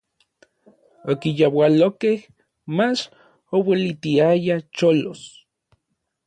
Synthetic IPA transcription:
okijawalokeh | mat͡ʃ | owelit̪iajat͡ʃolos

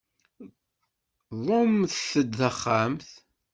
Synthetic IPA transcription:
ðˤomθθəd̪θəχːamθ

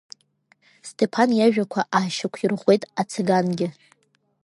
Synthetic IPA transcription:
stʰe̞pʰanjaʒᶣakʷʰaʔaːʃakʷʰirʁʷe̞jtʼat͡sʰeɡanɡʲɪ

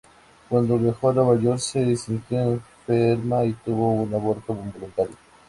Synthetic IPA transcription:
kwand̪oβjaxoɾaβaʝoɾsesint̪joeɱfeɾmait̪uβo̞unaβoɾt̪oβumbolunt̪aɾjo

